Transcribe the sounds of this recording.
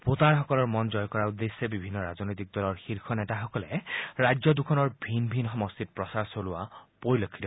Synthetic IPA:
pot̪aɹxɔkɔlɔɹmɔnd͡ʒɔjkɔɹaud̪esebibʱinːɔɹaznojt̪ik̚d̪ɔlɔɹxiɹkʰɔnɛtaxɔkɔlɛɹajd͡ʒɔd̪ukʰɔnɔɹbʱinbʱinxɔmɔst̪it̚pɹɔsaɹsolʊa̰poɹilokʰːidɔ

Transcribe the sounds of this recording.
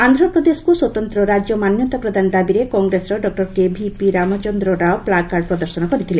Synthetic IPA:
and̪ʱɾɔpɾɔd̪eskuswɔt̪ɔnt̪ɾɔɾad͡ʒjɔmanjɔt̪apɾɔd̪ʱanɔd̪abiɾekɔŋɡɾesɾɔɖɔk̚ʈɔɾkebʱipiɾamɔt͡ʃɔnd̪ɾɔɾaoplakːaɾɖ̚pɾɔd̪ɔɾsɔnɔkɔɾit̪ʰile

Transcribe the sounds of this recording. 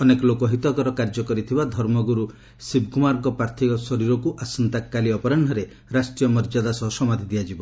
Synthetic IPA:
ɔnekɔlokɔɦit̪ɔkɔɾɔkaɾd͡ʒɔkɔɾit̪ʰibad̪ʱɔɾmɔɡuɾu | sib̚kumaɾɡɔpɾaɾt̪ʰikɔsɔɾiɾɔkuʔasɔnt̪akːaliɔpɔɾaɳɖʱɔɾe | ɾasʈɾijɔmɔɾd͡ʒad̪asɔɦɔsɔmad̪ʱid̪iad͡ʒibɔ

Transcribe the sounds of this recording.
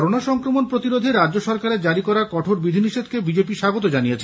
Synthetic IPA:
ɾonaʃɔŋkɾomonpɾot̪iɾod̪ʱeɾadd͡ʑoʃɔɾkaɾeɾd͡ʑaɾikɔɾakɔʈʰoɾbid̪ʱiniʃed̪kebid͡ʑepiʃaɡot̪od͡ʑanijet͡ɕʰe

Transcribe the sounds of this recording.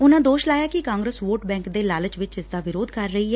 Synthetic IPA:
ʊnãːd̪oːʃlaːjaːkɪkãːŋɡɾəsʋoːʈbɛ̃ːŋkd̪eːlaːlət͡ʃʋɪt͡ʃɪsd̪aːʋɪɾoːd̪kəɾːəiːɦɛː

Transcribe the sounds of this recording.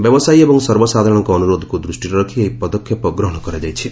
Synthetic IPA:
bjɔbɔsajebɔŋsɔɾbɔsad̪ʱaɾɔɽ̃ɔŋkɔːnuɾoːd̪ʱɔkud̪ɾusʈiɾɔɾɔkʰiejpɔd̪ɔkʰːjɔpɔɡɾɔɦɔɽ̃ɔkɔɾad͡ʒajt͡ʃʰi

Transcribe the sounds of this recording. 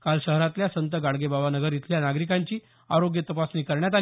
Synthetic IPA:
kalɕəɦɾat̪ljasənt̪əɡaɭɡebaʋanəɡəɾjit̪ʰljanaɡɾikaɲt͡ɕiː | a̰ɾoɡjət̪əpasnikəɾɳjat̪̬a

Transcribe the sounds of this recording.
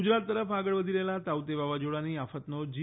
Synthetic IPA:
ud͡ʑɾat̪ːəɾəfaɡəɭʋəd̪ʱilelat̪awt̪eʋaʋad͡ʑoɽaniːafət̪nod͡ʑi

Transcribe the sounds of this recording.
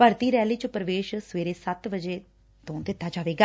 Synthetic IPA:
pəɾt̪iːɾɛːliːt͡ʃpɾəʋeːʃsʋeːɾeːsət̪ʋəd͡ʒeː | t̪õːd̪ɪt̪ːaːd͡ʒaːʋeːɡaː

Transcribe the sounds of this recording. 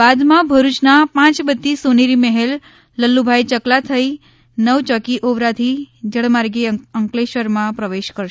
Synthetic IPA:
bad̪mãbʱəɾut͡ʃnapãt͡ʃbət̪ːisuniɾiməɦelː | əlːubʱajt͡ʃəklat̪ʰəi | nəʋt͡ʃɔkiʔoʋɾat̪ʰid͡ʒəɽmaɾɡeəŋkleʃəɾmãpɾəʋeʃkəɾʃ

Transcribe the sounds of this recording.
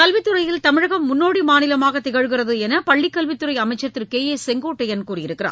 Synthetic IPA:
kɐlʋɪt̪ːɯrɐjɪlt̪ɐmɪɻɐɣɐmːʊnːoːɽimaːnɪlɐmaːɣɐt̪ɪɣɐɻɣɪrɐðɯɛnɐpɐɭːɪkːɐlʋɪt̪ːɯɾɐɪjɐmɐɪt͡ʃːɐt̪ːɪɾkeːeːsɛŋɡoːʈːɛjɐnkuːrijɪɾɯkːɪra̰ː

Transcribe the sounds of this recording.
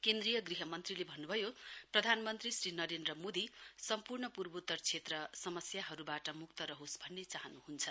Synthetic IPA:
kend̪rijʌɡriɦʌmʌnt̪rilebʱʌnːubʱʌjoprʌd̪ʱanmʌnt̪risrinʌɾend̪rʌmod̪isʌmpurɳʌpurbʌut̪ːʌrt͡sʰet̪rʌsʌmʌsjaɦʌɾubaʈʌmuk̚t̪ʌɾʌɦosbʱʌnːet͡saɦʌnuɦunt͡sʰʌ

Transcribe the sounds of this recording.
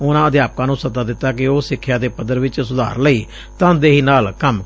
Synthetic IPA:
ʊnãːəd̪jaːp̚kãːnũːsət̪aːd̪ɪt̪ːaːkɪoːsɪkʰːjaːd̪eːpəd̪əɾʋɪt͡ʃsʊd̪a̰ːɾləiː | t̪ãːd̪eːɦiːnaːlkəm

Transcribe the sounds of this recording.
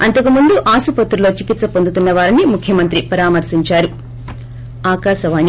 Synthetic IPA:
ɐnt̪ɐkumund̪uʔaːsupɐt̪ːɾulo̞ːt͡ʃikit̪sɐpond̪ut̪unːɐʋaːɾinimukʰjɐmɐnt̪ɾipɐɾaːmɐɾsiɲt͡ʃaːɾu | aːkaːʃɐʋaːni

